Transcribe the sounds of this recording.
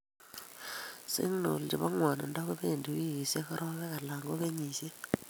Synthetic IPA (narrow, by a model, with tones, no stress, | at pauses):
sḭ˦ŋ˦no̰˨ldḭ˨βa˦ŋwa˨na̰˨nda˦ku˦βe˦˨ndi˨wi˦˨se˦xa˦ɾɔ˦βɛ˦ka˨la˨ŋɡo˦βe˦ɲiː˨si˦